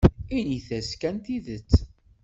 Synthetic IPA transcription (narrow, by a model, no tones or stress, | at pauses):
iniθæskænt̪iðət͡sː